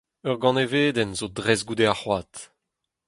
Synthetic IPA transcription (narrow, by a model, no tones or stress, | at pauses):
œʁɡɑ̃neveːd̪ɛnzodʁɛzɡud̪eaχwaːt̪